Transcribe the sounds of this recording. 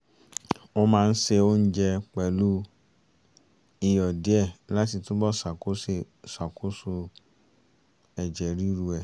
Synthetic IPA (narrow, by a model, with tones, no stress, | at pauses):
o˧mãː˦˧n̩˦se˧o˦n̩˦d͡ʒɛ˧k͡pɛ˨lu˦ | i˧jɔ˨di˨˦ɛ˦˨la˨˦ti˧to˦bɔ˦˨sa˨ko˦e˧ | sa˨ko˨˦su˧ | ɛ˨d͡ʒɛ˨ɾi˦ɾu˧ɛ˨